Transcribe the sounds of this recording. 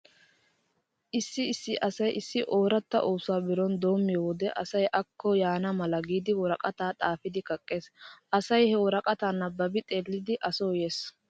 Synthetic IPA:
ʔɪsːɪɪsːɪʔɐsɐjʔɪsːɪʔoːɾɐt̪ːɐ̰ʔoːsʊaːbɪɾɔnd̪o̞ːmːɪjowɔd̪ɛʔɐsɐjʔɐkːɔjaːnɐmɐlɐɡiːd̪ɪwɔɾɐkʼɐt̪aːt̪ʼaːfɪd̪ɪkʼɐkʼːeːsʔɐsɐjhɛwɔɾɐkʼɐt̪aːnːɐbɐbɪt̪ʼe̞ːlːɪd̪ɪʔɐsoːjeːs

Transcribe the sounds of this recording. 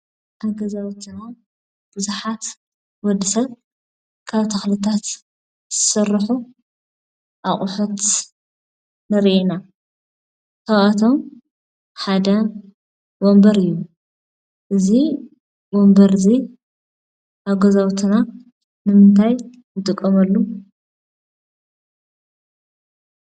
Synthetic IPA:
ʔaɡɐzawt̪ʰɨna | b̥ɨzuħat̪ | wɔd̪ːisɐβ | kʰaβt̪ʰɐxlɨt̪ʰat̪ | z̥ɨsɨrːħu | ʔaχʼʊħut̪ | nɐɾʔena | t̪ʰaat̪ʰom | ħad̪ɐ | wombɐɾɨjːu | ʔɨzi | wombɐɾzi | ʔaɡɐzawt̪ʰɨna | nɨmɨnt̪ʰaj | nɨt̪ʼɨkʼːɐmɐlːu

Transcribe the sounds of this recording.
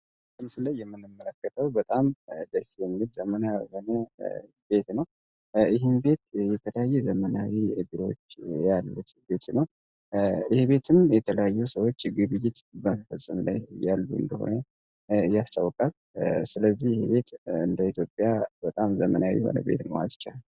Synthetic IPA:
sɨmsɨləjːɛmːɨnːɨmːələkːət̪ʰəwbət̪ʼamd̪əsijɛmɡɨd̪zəmənajho̞nə | be̞t̪nəw | ɪɦɪnbe̞t̪jɛt̪ʰələjajːɛzəmənawiɡ̪ɨɾo̞t͡ʃːjalːut̪be̞t̪nəw | ɪheβe̞t̪ʰɨmjɛt̪ʰələjajːusəwo̞t͡ʃːɡɨβɨjːɪt̪bəməfəsʼːɨmla̰jjalːuɨ̰nd̪əho̞̰nə | ɨjːast̪ʰəwkʼal | sɨləzːihjɪheβe̞t̪ɨnd̪əit̪ʰjo̞pʼːjabət̪ʼamzəmənawḭɛho̞̰nə̰be̞̰t̪nəwa̰t̪t͡ʃːa̰l

